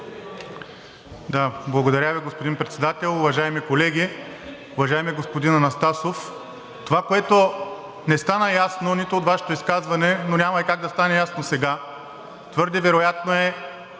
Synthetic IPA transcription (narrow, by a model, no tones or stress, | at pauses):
d̪ablˠɐɡod̪ɐɾʲjaviɡospod̪inpɾɛt̪sɛd̪at̪ɛlˠʊvɐʒajmikolɛɡʲi | ʊvɐʒaɛmiɛɡospod̪inɐnɐst̪asof | t̪ovakoɛt̪o | nɛst̪anɐjasnonit̪ʊːt̪vaʃɛ̥t̪oiskazvɐnɛnonʲamɐikaɡ̚d̪ɐst̪anɛjasnosɛɡa | t̪vɤɾd̪ɛvɛɾojat̪noɛ